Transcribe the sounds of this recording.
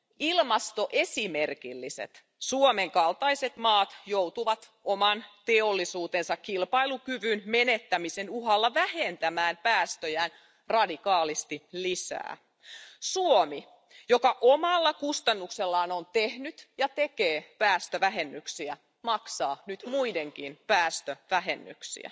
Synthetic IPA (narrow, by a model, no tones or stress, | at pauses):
ilmɑst̪o̞ʔesimerkilːisḛt̪ | suomeŋkɑlt̪ɑise̞t̪mɑːt̪jowt̪uʋɑt̪ | omɑnt̪eolːisuːt̪ensɑkkilpɑilukyʋynmenet̪ːæmisenuhɑlːɑʋæhent̪æmæːnpæːst̪øjæːn | rɑdikɑːlist̪ilisæ̰ː | suomi | jokɑʔomɑlːɑkust̪ɑnːukselːɑːnont̪ehnyt̪jɑt̪e̞keːpæːst̪øʋæɦenːyksiæ | mɑksɑːnyt̪muideŋkinpæːst̪øʋæɦenːy̰ksḭæ̰